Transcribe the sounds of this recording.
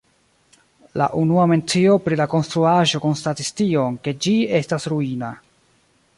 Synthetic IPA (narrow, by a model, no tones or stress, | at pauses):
la̰ʔunuame̞nt͡sio̞pɾilako̞nstɾuaʒo̞ko̞nstatistio̞nke̞d͡ʒie̞stasɾuina